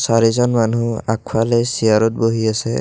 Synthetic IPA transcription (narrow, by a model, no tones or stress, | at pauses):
saɹizɔnmanua̰k̚ʰfʰalɛsiaɹɔt̚boɦiasɛ̰